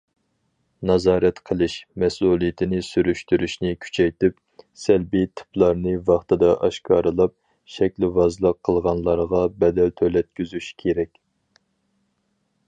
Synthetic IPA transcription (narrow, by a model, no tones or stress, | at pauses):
nɑzɑːɾɛt̪qʰəlˠɨʃmɛsulˠijɪt̪ʰɪnɪsyɾyʃt̪yɾyʃnɪkʲʰy̥t͡ʃʰɛjt̪ɪp | sɛlbit̪ʰɨ̥pʰlˠɑɾnɨvɑχt̪ɨd̪ɑʔɑʃkʰɑːɾɨlˠɑp̚ | ʃɛkʲlɪvɑzlˠəqʰːəlˠʁɑnlˠɑɾʁɑbɛd̪ɛlt̪ʰølɛt̪̚kʲyzyʃkʲʰeɾɛkʲ